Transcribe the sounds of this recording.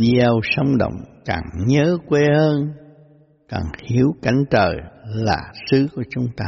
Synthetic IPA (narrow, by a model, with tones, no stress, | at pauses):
ɛ˧wsə˨˦wŋ͡mɗə̰˧˨wŋ͡mkaː˨˩ŋɲəː˨˦kwe˧həː˧n | kaː˨˩ŋhi˨˦əwka˧˩jŋ̟t͡ɕəː˨˩laː˨˩sɨ˨˦ku˧˩ət͡ɕʊ˨˦ŋ͡mt̪aː˧